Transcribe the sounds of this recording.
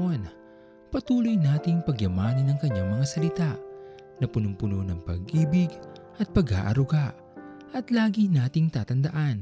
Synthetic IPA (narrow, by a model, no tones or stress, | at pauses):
on | pɐt̪uːlojnaːt̪ɪŋpɐɡjɐmaːnɐnːɐŋkɐɲːaŋmɐŋasɐlɪt̪aʔ | nɐpʊnʊmpʊnonɐŋpɐ̰ɡʔiːbɪɡ | ʔɐt̪̚pɐɡa̰ːʔɐ̰ɾʊɡaʔ | ʔɐt̪laːɡinaːt̪ɪŋt̪aːt̪ɐnd̪ɐʔan